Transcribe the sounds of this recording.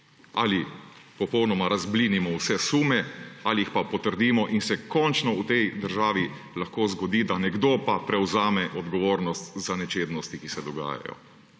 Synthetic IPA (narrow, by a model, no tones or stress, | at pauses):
alipɔpɔwnɔmaɾazbliːnimɔwsɛsuːmɛaliixpapɔt̪əɾd̪iːmɔʔinsɛkɔnt͡ʃnɔut̪ɛjd̪əɾʒaːʋi | laxkoːzɡɔd̪iːd̪anɛɡd̪oːpapɾɛwzaːmɛʔɔd̪ɡɔʋoːɾnɔst̪zanɛt͡ʃeːd̪nɔst̪ikisɛd̪ɔɡa̰ːja̰jɔ̰